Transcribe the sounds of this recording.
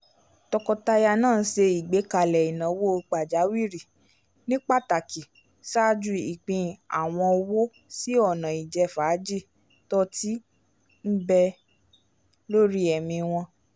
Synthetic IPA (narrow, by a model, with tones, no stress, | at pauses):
tɔ˧kɔ˧ta˧ja˧nãː˦˨˦se˧i˨ɡ͡be˨˦ka˧˨lɛ˨i˨nã˨˦wo˦˧k͡pa˨d͡ʒa˨˦wi˦˨ɾi˨ | nĩ˦k͡pa˦ta˨ki˨ | sa˦d͡ʒu˧i˨k͡pĩ˧a̰˨w̃ɔ̃˧o˧wo˦ | si˦ɔ˦˨nã˨i˨d͡ʒɛ˧faː˨˦d͡ʒi˦˨ | tɔ˦ti˦ | n̩˦bɛ˧ | lo˦ɾi˦ɛ˨mĩ˧w̃ɔ̃˧